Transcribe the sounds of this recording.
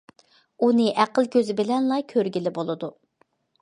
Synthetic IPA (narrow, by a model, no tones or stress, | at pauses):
unɨʔæqəlˠkʲʰøzɪbɪlɛnlˠɑkʲʰøɾɡʲilɪbolˠɨd̪u